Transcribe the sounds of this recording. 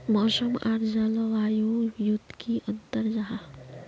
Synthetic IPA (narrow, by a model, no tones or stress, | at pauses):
məsəmaɾd͡ʒaləʋajujud̪kʰiʔənt̪əɾd͡ʒa